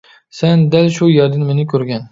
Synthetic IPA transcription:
sænd̪ælʃujɛɾd̪ɪnmɪnɪkʲʰøɾɡʲɛn

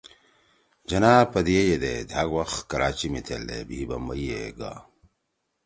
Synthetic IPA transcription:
d͡ʒɐnaːpɐd̪ijejed̪ḛd̪aɡwaxt̪kɐɾaːt͡ɕimit̪ʰeld̪ḛbiːbɐmɐjeɡa̰

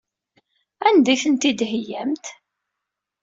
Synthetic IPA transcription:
ænd̪æçənt̪id̪ɦjæmt̪

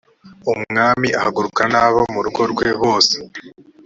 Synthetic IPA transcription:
umŋaːmiʔahaɡuɾukanaːβomuɾuɡo̞ɾɡwe̞βo̞ːse̥

